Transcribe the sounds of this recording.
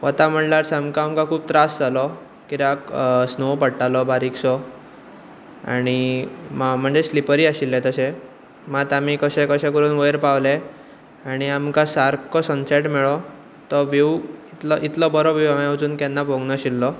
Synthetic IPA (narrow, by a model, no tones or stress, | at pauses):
ʋət̪am̤əɳlaɾsamkãamkãkʰuːb̚t̪ɾasd͡zalɔ | kit̪aksnopəɽʈalɔbaɾiksɔ | a̰ɽ̃imm̤əɳd͡zeslipəɾiːaɕilːẽt̪əsẽ | mat̪amikəɕɛ̃kəɕɛ̃kəɾuːnʋəjɾpaʋle | aɽ̃iamkãsaɾkɔsə̃nsɛʈmɛɭɔ | t̪ɔʋewit̪lɔʔit̪lɔbəɾɔbiwamawd͡zuːnkɛnːapɔŋɡnɔɕilːɔ